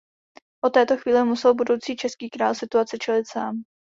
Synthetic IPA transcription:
ʔot̪ɛːt̪o̞xviːlɪmusɛlbudo̞wt͡siːt͡ʃɛskiːkɾaːlsɪt̪uat͡sɪt͡ʃɛlɪt̪saːm

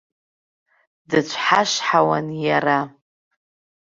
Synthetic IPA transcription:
dɨt͡ɕʷʰħaʂħawanjara

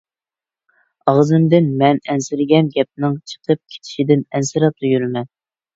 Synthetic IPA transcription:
ɑʁzɨmd̪ɪnmɛnɛnsɪɾɪɡʲɛnɡʲɛp̚nɨŋt͡ʃʰə̥qʰəp̚kʲʰe̥t̪ʰɪ̥ʃid̪ɪnɛnsɨɾɑt̪ujyɾmɛn

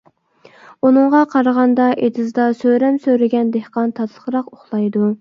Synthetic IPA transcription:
unɨɴʁɑqʰɑɾəʁɑnd̪ɑʔed̪ɪzd̪ɑsøɾɛmsøɾɪɡʲɛnd̪ehqɑnt̪ʰɑt̪ʰlˠəχɾɑqoχlˠɑjd̪u

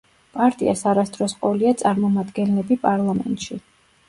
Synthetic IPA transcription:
pʼaɾt̪ʼḭa̰saɾast̪ʼɾɔsqʼɔliat̪sʼaɾmɔmad̪ɡɛnlɛbipʼaɾlˠamɛ̰nt̪ʼʃi

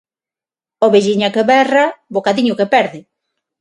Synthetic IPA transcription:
oβeʒiɲakeβɛrabokaðiɲʊkepɛɾðɪ

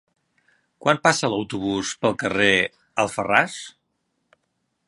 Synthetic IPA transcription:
kwampasələwt̪uβ̞uspəlˠkəre | əlˠfəras

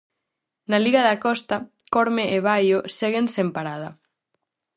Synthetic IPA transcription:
naliɣaðakɔst̪a | koɾmeʔeβ̞ajoseɣensempaɾað̞a

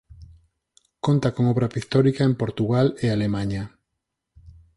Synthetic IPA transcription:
kont̪akoŋoβɾapist̪oɾikaempoɾt̪uɣalealemãɲa

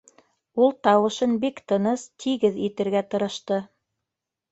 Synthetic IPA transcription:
ulˠt̪ɑwɤ̆ʃɤnbikt̪ɤ̆nɤst̪ʰiɡɘðit̪ɘ̆ɾɡæt̪ɤ̆ɾɤ̆ʃt̪ɤ

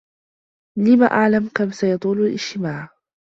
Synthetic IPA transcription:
lɪma̰ʔaʕlamkamsajɑt̪ˤuːlalʔɪd͡ʒt̪ɪmaːʕ

